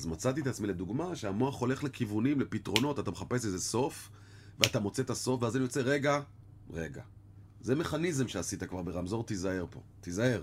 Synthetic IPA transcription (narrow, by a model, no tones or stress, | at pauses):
zmat͡sat̪̬iet̪at͡smiled̪uɡmaʃeamoaχo̞le̞χle̞kivunimle̞pitʁo̞no̞t̪at̪ameχape̞sezeso̞f | veat̪amo̞t͡se̞t̪aso̞fveazanjo̞t͡se̞ʁe̞ɡa | ʁe̞ɡa̰ | zeme̞χanizemʃeasit̪akvaʁbe̞ʁamzo̞ʁt̪izae̞ʁpo̞̰t̪izaeʁ